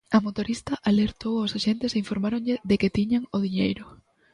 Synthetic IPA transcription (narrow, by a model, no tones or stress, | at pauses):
ɐmot̪oɾist̪ɐʔaleɾt̪owaoʊsaʃent̪eseiɱfoɾmaɾõŋʎɪðekɪt̪iɲaŋoðiɲḛjɾʊ